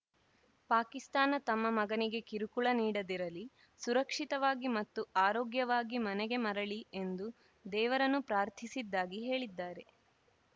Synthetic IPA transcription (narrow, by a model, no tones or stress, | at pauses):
paːkist̪aːnɐt̪ɐmːɐmɐɡɐniɡe̞kiɾukuɭɐniːɽɐd̪iɾɐlːi | suɾɐkʂit̪ɐʋaːɡimɐt̪ːuʔaːɾoːɡjɐʋaːɡimɐnɛɡe̞mɐɾɐɭie̞nd̪u | d̪ɛːʋɐɾɐnːupɾaːɾt̪ʰisid̪ːaːɡiɦe̞ːɭid̪ːaːɾe̞